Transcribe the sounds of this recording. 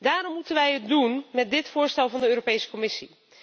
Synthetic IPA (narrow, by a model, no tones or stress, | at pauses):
daːrɔmːutənʋɛjɦət̚dunmɛt̚dɪtfʊːɹstɛlˠvɑndəøːropejsə̥komɪsi